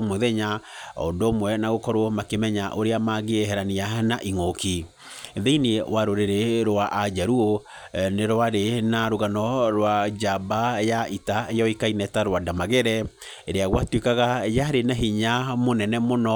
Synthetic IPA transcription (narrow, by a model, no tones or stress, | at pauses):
mwɛðɛɲaɔ̰ndomwɛnaɣokɔɾomakemɛɲaʔoɾeamaɣeɦɛɾanianaʔiŋoki | ðeinwaɾoɾeɾeɾwaʔad͡ʑaɾuo | neɾwaɾenaɾoɣanɔɾwad͡ʑabajaʔitaejɔikainɛtaɾwadamaɣɛɾɛ | eɾeaɣwatwekaɣajaɾenaɦiɲamonɛnɛmonɔ